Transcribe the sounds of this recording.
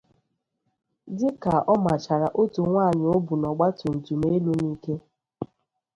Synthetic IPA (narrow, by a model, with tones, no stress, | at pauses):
dɪ˦ka˨ʔɔ˦ma˨t͡ʃa˨ɾa˨ʔo˦tu˨ŋʷa˦˨ɲ˨o˦bu˨nɔ˨ɡ͡ba˦to˨n̩˨tu˨me˦lu˦niː˦ke˦